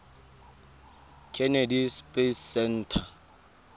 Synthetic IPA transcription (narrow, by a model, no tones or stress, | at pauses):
kʰɛnedispʼessɛn̩tʰa